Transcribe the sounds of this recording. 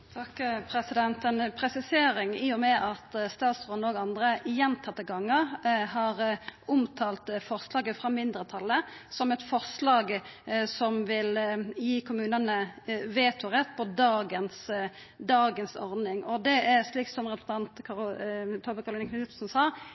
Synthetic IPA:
t̪ʰɑkːpʰɾɛsɪd̪ɛnt̪ənpʰɾɛsɪseːɾɪŋiːʊmɛʔɑt̪st̪ɑːt̪sʁɔnoːɡɑnd̪ɾəɪjɛnt̪ʰɑt̪ːəɡɑŋːəʁhɑʁʊmt̪ʰɑːlt̪fɔʁslɑːɡəfʁɑmɪnd̪ʁət̪ʰɑlːəsɔmɛt̪fɔʁslɑːɡsɔmʋɪljiːkʰʊmʉːnənəʋeːt̪ʰʊʁɛt̪̚ːpʰɔd̪ɑːɡəns | d̪ɑːɡənsɔ̰ʁd̪nɪŋɔd̪ɛæʁʂliːksɔmʁɛpɾə̥sn̩ɑnt̪kʰɑt̪ʰɔbəkɑʁlɪːnkʰnsɪt̪snsɑː

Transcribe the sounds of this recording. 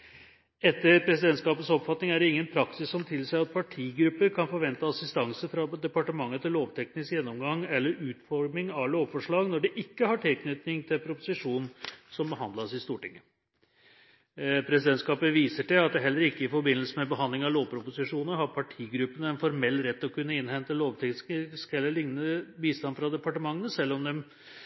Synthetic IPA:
ɛt̪ːəɾpʰɾɛsɪd̪ɛnt̪skɑːpət̪sɔpfɑt̪nɪŋæɖɛɪŋːənpʰɾɑksɪsːɔmt̪ʰɪlsæɪɑt̪̚pʰɑʈʰiːɡɾʉpːəɾkʰɑnfɔɾʋɛnt̪əɑsɪst̪ɑŋsəfɾɑd̪ɛpɑʈəmɑŋːət̪ʰɪlːoːʋt̪ʰɛknɪskjɛnːɔmɡɑŋɛlːəɾʉːt̪fɔɾmɪŋɑʋloːʋfɔʂɭɑːɡnɔɖɛʔɪkːəhɑʈʰɪlkʰnʏt̪nɪŋt̪ʰɪlpʰɾʊpʊsɪʂuːnsɔmbəɦɑnd̪lɑsɪst̪uːʈɪŋːə | pʰɾɛsɪd̪ɛnt̪skɑːpəʋiːsəʈɛɑt̪̚d̪ɛɦɛlːəɾɪkːəɪfɔɾbɪnːəlsəmɛbəɦɑnd̪lɪŋɑʋloːʋpʰɾʊpʊsɪʂuːnəɦɑɾpʰɑʈʰiːɡɾʉpːənəɛnfɔɾmɛlːɾɛt̪ːɔkʰʉnːəɪnhɛnt̪əloːʋt̪ʰɛksɪskɛlːəɭɪŋnəbiːst̪ɑnfɾɑd̪ɛpɑʈəmɑŋːənəsɛlːɔmd̪ɛm

